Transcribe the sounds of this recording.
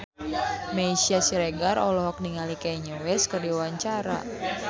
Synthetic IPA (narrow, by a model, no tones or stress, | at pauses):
meisiasiɾeɡarʔɔlɔɦɔk̚niŋalikaiɲowɛskərdiwaɲt͡ʃaɾa̰